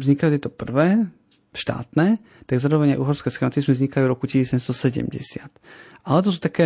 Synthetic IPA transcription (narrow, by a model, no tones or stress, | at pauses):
vzɲikajut̪jɛt̪ɔpr̩ʋɛː | ʃt̪a̰ːt̪nɛː | t̪aɡzaːɾɔʋɛɲaɪʔuːɦɔɾskɛsxɛmat̪izmɛvzɲikaljuɾɔkucisisɛmst̪ɔsɛɟɛ̰mɟɛ̰sɪat̪ | ʔalɛt̪̬ɔs̬uːt̪akɛː